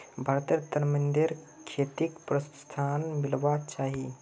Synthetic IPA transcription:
bʱaɾt̪iɾt̪əɾmənd̪iɾ | kʰet̪ikpɾəst̪ʰanmilʋat͡ʃaɦi

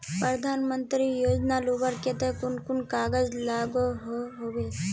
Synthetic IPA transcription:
pɾəɾəd̪ʱaːnmənt̪ɾijoːd͡ʒnalubəɾket̪ekʊnkʊnkaːɡəd͡ʒlaːɡoɦoɦoʋeː

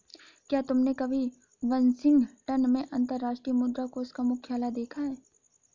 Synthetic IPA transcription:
kjaːt̪ʊmnekɐbʱi | ʋɐnsɪ̃ŋɡʈɐnmẽʔɐ̃nt̪əɾːaːʃʈɾijəmʊd̪ɾakoʊskamʊkʰjaːlad̪eːkʰaɦɛː

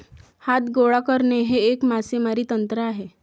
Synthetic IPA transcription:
hat̪ɡoɭakəɾneɦeːkmasemaɾiːt̪ənt̪ɾəaɦe

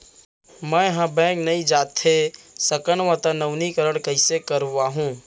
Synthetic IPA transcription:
mɛ̃jɦãbɛ̃ːknɐĩd͡ʒaːt̪esəkəɳ̃ʋãt̪ənəʋnikəɾəɽ̃kəɪsekəɾuaːɦũː

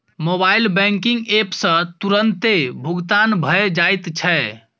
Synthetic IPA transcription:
mobailbɛ̃ŋkiŋɡepsə̃t̪uɾənt̪ebʱuɡt̪anbʱəed͡ʒajt̪t͡ʃʰɛ

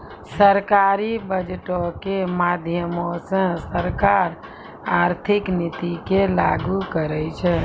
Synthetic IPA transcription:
səɾkaɾibəd͡ʒʈokemad̪ʱjəmosə̃səɾkaɾ | aɾt̪ʰiknit̪ikelaɡukəɾɛt͡ʃʰɛ

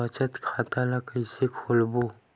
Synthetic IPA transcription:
ət͡ʃət̪kʰaːt̪alakəɪsekʰoːlboː

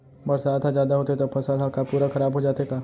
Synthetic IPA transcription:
bɐɾsaːd̪azjaːd̪aɦoːt̪eet̪opʰɐsəlɦakapuːɾaxɐɾaːbɦod͡ʒaːt̪ekaː

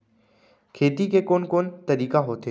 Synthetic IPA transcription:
kʰeːt̪ikekoːnkoːnt̪əɾiːkaɦoːt̪ʰeː

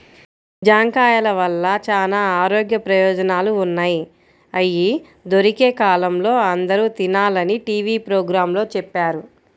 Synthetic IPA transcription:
d͡ʒaːŋkaːjɐlɐʋɐlːɐt͡ʃaːlaːaːɾoːɡjɐpɾɐjɔːd͡ʒɐnaːluːnːaːji | ɐji | d̪o̞ɾikeːkaːlɐmlo̞ːɐnd̪ɐɾut̪inaːlɐniʈiːʋiːpɾoːɡɾaːmlo̞ːt͡ʃɛpːaːɾu

